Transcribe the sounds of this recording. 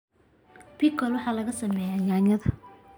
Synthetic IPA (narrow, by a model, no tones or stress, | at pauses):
bikʰɔlwɑħɑːlɐɣɐsɐmɛːjajaːɲɐðɐ